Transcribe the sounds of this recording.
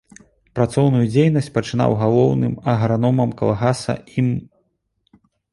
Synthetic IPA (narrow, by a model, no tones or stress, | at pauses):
pɾat̪sɔwnujud͡zʲejnɐsʲt͡sʲpɐt͡ʂɨna̰wɣalˠɔwnɨmɐɣɾanɔmɐmkɐlˠaɣasɐ̰im